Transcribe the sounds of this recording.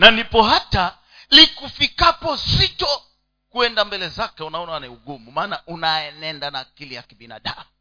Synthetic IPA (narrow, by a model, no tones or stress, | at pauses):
nanipɔɦata | likufikapɔsitɔ | kuɛndambɛlɛzakɛunaɔnaaniuɡumumaːnaʔunaɛnɛndanaːkilijakiɓina̰ɗamu